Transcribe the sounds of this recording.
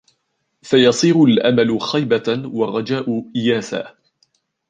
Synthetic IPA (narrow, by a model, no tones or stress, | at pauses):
fajɑsˤiːɾʊlʔamalʊxajbawɑrˤːɑd͡ʒaːʔʊʔɪjaːθa̰ː